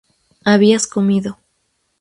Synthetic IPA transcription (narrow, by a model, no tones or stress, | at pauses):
aβiaskomiðo